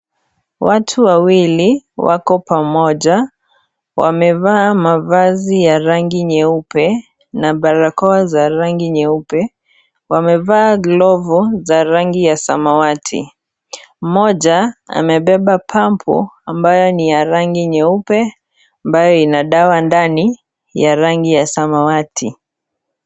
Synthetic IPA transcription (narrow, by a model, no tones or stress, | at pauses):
watʰuwawiliwa̰kɔpamɔʄa | wa̰mɛvaːmavazijaɾaŋɡiɲɛupɛ | naɓaɾakɔazaɾaŋɡiɲɛupɛ | wamɛvaːɡlɔvuzaɾaŋɡijasamawatʰḭ | m̩mɔʄaa̰mɛɓɛɓapʰampʰɔ̰ambajɔnijaɾaŋɡiɲɛupɛ | ambajɔinaɗawandani | jaɾaŋɡijasamawatʰi